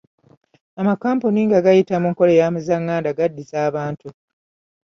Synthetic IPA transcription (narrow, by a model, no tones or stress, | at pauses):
amakaːmpuniŋɡaɡajitamuŋko̞lejaːmuzaŋːaːndaɡadːizaːβaːntu